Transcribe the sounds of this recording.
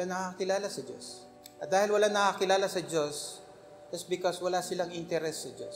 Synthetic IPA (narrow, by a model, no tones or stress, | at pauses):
anɐkakɪlaːlasɐd͡ʒo̰s | ʔɐd̪aːhɪlwɐlanɐkaːkɪlaːlasɐd͡ʒo̞s | ʔɐsbɪkoswɐlaːsɪlaŋʔɪnt̪ɛɾɛsːɐd͡ʒos